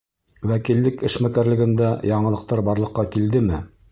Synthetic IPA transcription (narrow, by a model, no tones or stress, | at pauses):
wækilːɘkɘ̆ʃmækæɾlɘ̆ɡɘ̆nd̪æjɑɴɤ̆lˠɤ̆q̚t̪ɑɾbɑɾlˠɤ̆qːɑkild̪ɘmɘ